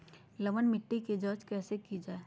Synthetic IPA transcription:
lɐʋənmɪʈːiked͡ʒɔːd͡ʒkɛːsekid͡ʒaːe

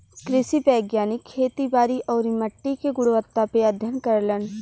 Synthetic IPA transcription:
kɾɪsipɛːɡjaːnɪkʰːeːt̪ibaːɾiʔɔːɾiməʈːikeɡʊɽʋət̪ːapeəd̪ʱjənkɐɾlən

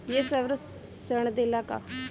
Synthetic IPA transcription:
jesəʋɾə | səɳ̃d̪elaka̰

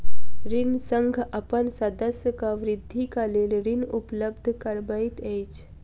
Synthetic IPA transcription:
ɾinsəŋɡʱapənsad̪əsəkaʋɾid̪ʱːikalelɾinupləbd̪ʱkəɾbait̪ejt͡ʃ

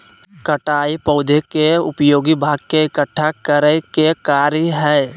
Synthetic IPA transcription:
kəʈaːipɔːd̪ʱekeʊpjoːɡibʱaːɡkeɪkəʈʰːakəɾəkekaːɾjəɦɛː

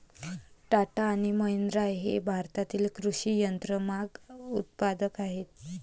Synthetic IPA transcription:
ʈaʈaːɽ̃iməɦend̪ɾajɦḛbʱaɾt̪at̪iːlkɾuɕiːjənt̪ɾəmaɡut̪̚pad̪əkaɦet̪

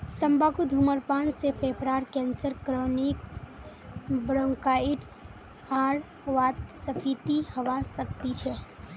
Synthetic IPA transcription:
t̪əmbakod̪ʱuməɾpaːɳsepʰepɾaɾkɛ̃nsəɾkɾɔnik | bɾɔ̃ŋkaiʈs | aɾ | ʋat̪̚səpʰit̪ihəʋasək̚t̪it͡ʃʰɛ

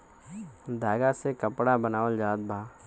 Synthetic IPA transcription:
d̪ʱaːɡasekəpɽabənaːʋəld͡ʒaːd̪̚bʱaː

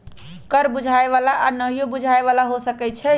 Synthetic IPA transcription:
kəɾbud͡ʒʱaeβalaʔanəɦijobud͡ʒʱaeβalaɦosəkɛt͡ʃʰɛ

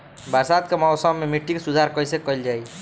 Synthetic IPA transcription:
baɾsad̪kemɔʊsəmːemiʈːikesud̪ʱaɾkəjsekəld͡ʒaj

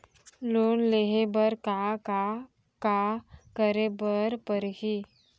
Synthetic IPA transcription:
lonleɦebəɾkaka | kakəɾebəɾpəɾɦiː

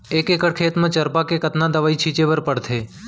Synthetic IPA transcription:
ekekəɽkʰeːt̪mãt͡ʃəɾpakekət̪nad̪əʋait͡ʃʰit͡ʃeʋəɾpəɽt̪ʰeː

